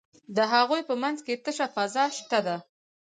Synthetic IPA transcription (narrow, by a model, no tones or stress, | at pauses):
d̪əɦaɣojpəmanzket̪əʃafazɑʃt̪ad̪a